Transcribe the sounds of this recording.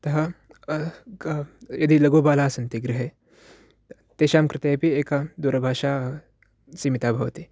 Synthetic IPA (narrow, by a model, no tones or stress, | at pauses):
t̪ɐɦɐ | jɐd̪ilɐɡoːbaːlaːsɐnt̪iɡɾɪɦe | t̪eːʃaːmkɾɪt̪eːpieːkad̪uːɾɐbʱaːʃaː | siːmit̪aːbʱɐʋɐt̪i